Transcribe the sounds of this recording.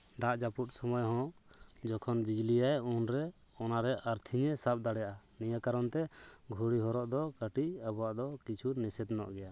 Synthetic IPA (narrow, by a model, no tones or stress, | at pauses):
d̪aʔd͡ʒaput̪̚sɔmɔjɦɔ̃ | d͡ʒɔkʰɔnbid͡ʒlijajunɾɛ | ɔnaɾɛʔaɾt̪ʰiɲɛsap̚d̪aɽɛjaʔa | nijakaɾɔnt̪ɛɡʱuɽiɦɔɾɔʔd̪ɔkaʈiabɔwaʔd̪ɔkit͡ʃʰunɛsɛd̪nɔ̰ʔɡɛja